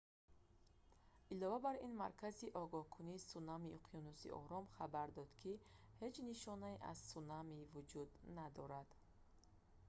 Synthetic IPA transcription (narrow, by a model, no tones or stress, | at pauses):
ʔilɔvabaɾinmaɾkʰaziʔɔɡɔhkʰuniːsunamiuqʰijunusḭʔɔ̰ɾɔmχabaɾd̪ɔd̪kʰihe̞d͡ʒniʃɔnaiʔa̰z̥sunamivud͡ʒud̪nad̪ɔɾad̪̥